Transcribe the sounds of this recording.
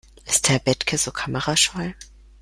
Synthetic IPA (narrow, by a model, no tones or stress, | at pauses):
ʔɪst̚d̥eːɐbɛtkʰəzoːkʰaməʁaʃɔl